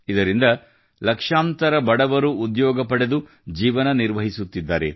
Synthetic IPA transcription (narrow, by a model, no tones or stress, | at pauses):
id̪ɐɾind̪ɐ | lɐkʂaːmt̪ɐɾɐbɐɽɐʋɐɾuːd̪jɔːɡɐpɐɽe̞d̪u | d͡ʒiːʋɐnɐniɾʋɐɦisut̪ːid̪ːaːɾe̞̰